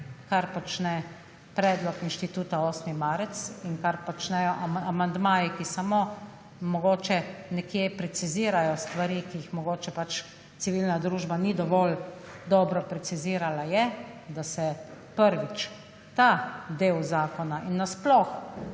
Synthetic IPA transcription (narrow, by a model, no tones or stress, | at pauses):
kaɾpɔt͡ʃnɛ | pɾɛːd̪lɔkinʃt̪it̪uːt̪aoːsmimaːɾɛt̪sinkaɾpɔt͡ʃnɛjɔʔaamand̪maːjikisamo | mɔɡoːt͡ʃɛnɛkjepɾɛsiziːɾajɔst̪ʋaɾikijixmɔɡoːt͡ʃɛpat͡ʃ | t̪siʋiːlnad̪ɾuːʒbanid̪ɔʋɔld̪ɔbɾɔpɾɛsiziːɾalajɛd̪asɛpəɾʋit͡ʃ | t̪ad̪eːwzaːkɔnaʔinːasplɔx